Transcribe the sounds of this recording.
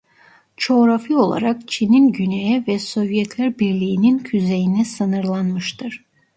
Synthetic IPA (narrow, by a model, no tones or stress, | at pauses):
t͡ʃʰo̞ːɾafio̞lˠa̰ɾakt͡ʃʰininɟynejɛvɛso̞vjɛt̪ʰlʲæɾbiɾlʲijːnincʰyze̞jinɛsɯnɯɾlˠanmɯʃt̪ʰɯɾ̥